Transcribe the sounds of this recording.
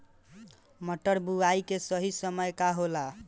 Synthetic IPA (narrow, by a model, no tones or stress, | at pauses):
məʈːəɾbuaikesəɦisəməjkaɦola